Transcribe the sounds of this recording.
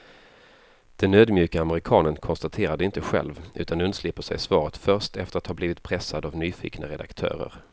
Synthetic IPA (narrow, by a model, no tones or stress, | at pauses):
d̪̥ɛnøːd̪mjʉ̟ːkaːməɾɪkʰɑːnənkʰɔnst̪at̪ʰeːɾadɛɪnt̪əɧɛ̰lvʉ̟ːt̪anɵnslɪpːəʂɛ̰jsvɑːɾət̪fœɾʂtɛft̪əɾat̪hɑːbliːvɪt̪̚pʰɾɛsːad̪avnyːfḭːknə̰ɾɛd̪a̰kt̪ʰœ̰ːɾə̰ɾ